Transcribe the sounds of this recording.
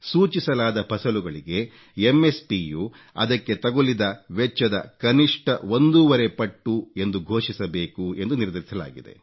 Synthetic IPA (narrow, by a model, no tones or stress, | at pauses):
suːt͡ʃisɐlaːd̪ɐpʰɐsɐluɡɐɭiɡe̞ | emːe̞spiːju | ɐ̰d̪ɐkːe̞t̪ɐɡolid̪ɐʋɛt͡ʃːɐd̪ɐkɐniʂʈɐo̞nd̪uʋɐɾepɐʈːue̞nd̪uɡʱo̞ːʂisɐbe̞ːkue̞nd̪uniɾd̪ʱɐɾisɐla̰ːɡid̪e̞̰